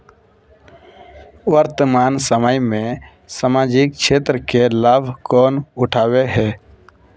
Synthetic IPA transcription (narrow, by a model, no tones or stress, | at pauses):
ʋəɾt̪əmaːnsəməjmẽ | samaːd͡ʒik̚ʃʰeːt̪ɾəkelaːbʱkɔːnʊʈʰaːweɦɛː